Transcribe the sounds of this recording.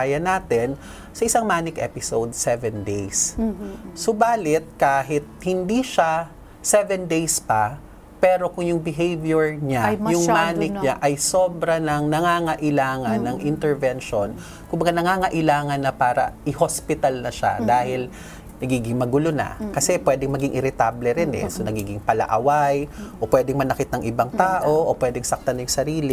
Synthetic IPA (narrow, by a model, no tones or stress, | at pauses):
ajɐnaːt̪ɛn | sɐʔɪsaŋmaːnɪkʔɛ̰pɪsowd̪̚sɛvɛnd̪ejs | sobaːlɪt̪̚kaːɦɪt̪̚hɪnd̪iʃa | sɛvɛnd̪ejspɐ | pɛːɾo̞kʊŋjʊŋbɪɦejvjɛɹɲajʊŋmaːnɪk̚ɲaʔɐjsoːbɾɐnɐŋnɐŋaːŋɐʔɪlaːŋɐnːɐŋʔɪnt̪ɛɹvɛnʃon | kʊmbɐɡanɐŋaːŋɐʔɪlaːŋɐnːɐpaːɾɐ̰ʔɪhospɪt̪ɐlnɐʃa̰d̪aːhɪl | nɐɡiːɡɪŋmɐɡʊlona̰kɐsɛpwɛːd̪ɛŋmɐɡɪŋʔɪɾɪt̪ablɛɾɪnɛ̰sonɐɡiːɡɪŋpɐlɐ̰ʔɐwajʔopwɛd̪ɛŋmɐnɐkɪt̪̚nɐŋʔɪbaŋt̪aːʔo̞ʔopwɛd̪ɛŋsɐk̚t̪ɐnɐjʊŋsɐɾiːlɪ